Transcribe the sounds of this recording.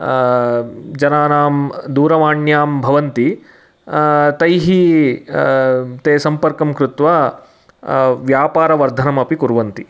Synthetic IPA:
d͡ʒɐnaːnaːmd̪uːɾɐʋaːɳjaːmbʱɐʋɐnt̪i | t̪ɐjɦi | t̪eːsɐmpɐɾkɐmkɾut̪ʋɐ | ʋjaːpaːɾɐʋɐɾd̪ʱɐnɐmɐpikuɾʋɐnt̪i

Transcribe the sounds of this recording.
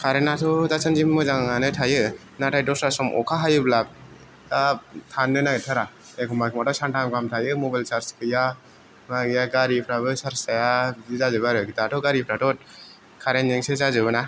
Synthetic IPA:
kʰaɾenatʰɔtasand͡ʒimːɯzaŋaŋanɯtʰajɯ | natʰajtɔsɾasɔmʔɔ̰kʰaɦajɯblap̚ | atʰanːɯnaɡitʰaɾa | ekʰɔmakʰmatasantʰamɡamtʰajɯmɔbajlsaɾskʰɯja | maɡɯjaɡaɾipʰɾabɯsaɾsajazizazɯbaɾɯkitatʰɔɡaɾipʰɾatɔt̚ | kʰaɾeneŋsezazɯbɯna

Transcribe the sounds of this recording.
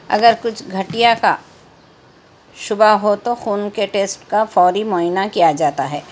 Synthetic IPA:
ɐ̰ɡəɾkʊt͡ʃʰɡʱɐʈijaka̰ | ʃʊbaɦot̪oxuːnkeʈeːsʈkafɔːɾimɔːinakijad͡ʒaːt̪aɦɛː

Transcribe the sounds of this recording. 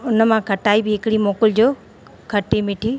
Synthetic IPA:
ʊnə̆mãkʰɐʈaːibɪɦɪkɪɽimoːkʊld͡ʑoː | kʰɐʈimɪʈʰiː

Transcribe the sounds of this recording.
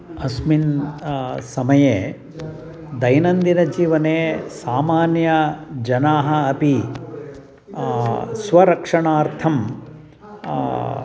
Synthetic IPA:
ɐsmin | sɐmɐjeː | d̪ɐjnɐnd̪inɐd͡ʒiːʋɐneːsaːmaːnjɐd͡ʒɐnaːɦɐːpi | sʋɐɾɐkʂɐɳaːɾt̪ʰɐm

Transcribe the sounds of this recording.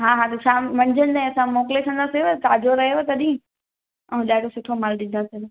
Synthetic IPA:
ɦaːɦãt̪ɐt͡ɕʰaːmɐ̃ɲd͡ʑəld̪aẽɐsãmoːklekʰɐ̃nd̪asiet̪aːd͡ʑoɾɐɦeoet̪ɐɗĩː | ɐɦũɗaːkosʊʈʰomaːlɗɪ̃nd̪asɐ

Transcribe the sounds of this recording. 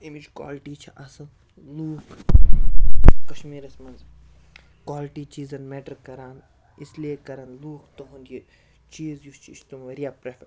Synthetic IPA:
imid͡ʒkwa̰ːlʈiːt͡ʃʰiʔɐsɐ | luːk | kɐʃmiːɾɐsmɐnz | kwaːlʈiːt͡ʃiːzɐnmeːʈɐɾkɐɾaːn | isliekɐɾaːnluːkt̪oɦunji | t͡ʃiːzjust͡ʃʰiʃt̪umʋɐɾijaːpɾefɐ

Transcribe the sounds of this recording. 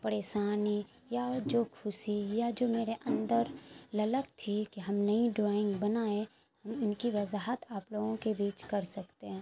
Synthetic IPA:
pɐɾeːʃaːni | jad͡ʒoːkʰʊsijad͡ʒoːmeːɾeʔɐ̃nd̪əɾlɐlək̚t̪ʰikiɦɐmnɐĩɖɾaːɪ̃ŋɡbɐnaːe | hɐmʊnkiʋɐzaːɦət̪aːploːɡõkebiːt͡ʃkɐɾsɐkt̪eɦɛ̃ː

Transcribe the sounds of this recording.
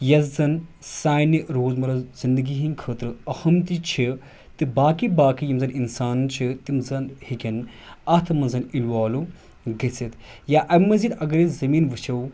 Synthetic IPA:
jɐszɐnsaːjniɾoːzmɐɾɐzind̪ɨɡiɦinkʰəːt̪ɾɨɐhɐmt̪it͡ʃʰi | t̪ɨbaːkibaːkijɐmzɐninsaːnt͡ʃʰit̪imzɐnhikʲɐn | ɐt̪ʰmɐnzɐnilʋaːlu | ɡɐsit̪ʰjaːʔɐbmɐzid̪ɐɡɐɾezɐmiːnʋɨʃʰɐw

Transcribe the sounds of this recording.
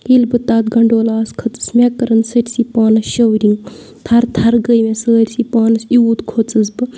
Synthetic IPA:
ilbɨt̪aːt̪̚ɡɐɳɖoːlaːskʰɐt͡sɨ̥smʲekɐɾɐnsɐɾʲsiːpaːnɐsʃɐʋɾiŋɡ | t̪ʰɐɾt̪ʰɐɾɡəjmesəːɾʲsipaːnɐsuuːt̪kʰot͡sɐsbɨ

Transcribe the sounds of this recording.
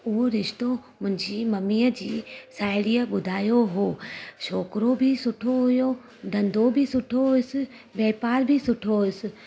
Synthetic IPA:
ʊɦoɾɪʃt̪o | mʊ̃ɦɪ̃ɲd͡ʑiːmɐmiːəd͡ʑiːsaːɪɽijəɓʊd̪ʱaːjoɦoːʃoːkɾobʱisʊʈʰoɦʊjo | ɖɐ̃nd̪ʱobʱisʊʈʰoɦʊɪsɪ | ʋɛːpaːɾbʱisʊʈʰoɦʊɪsɪ̆

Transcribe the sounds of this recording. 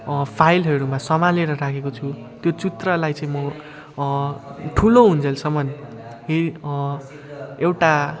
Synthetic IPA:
pʰajlɦʌɾumasʌmaleɾʌɾakʰekot͡sʰu | t̪jot͡sut̪rʌlajt͡saĩmʌ | ʈʰuloɦũnd͡zʱʌlsʌmʌn | ɦe | ewʈa

